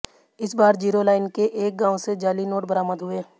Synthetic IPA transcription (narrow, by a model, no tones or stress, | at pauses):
ɪsbaːɾd͡ʒiːɾolaːɪnkeʔeːk̚ɡãːõsed͡ʒaːlinoːʈbəɾaːməd̪ɦʊeː